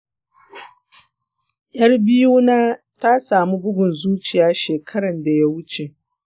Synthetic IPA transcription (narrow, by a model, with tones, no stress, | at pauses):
ʔj̰ʔɐ˦rbɪ˦juː˦naː˦ | ta˦saː˨mu˦bʊ˦ɡʷʊ˨nzuː˦t͡ʃɪ˨jaː˦ʃeː˨kʰɐ˦ɽɐ˨nda˨ja˦wʊ˦t͡ʃe˨ʔ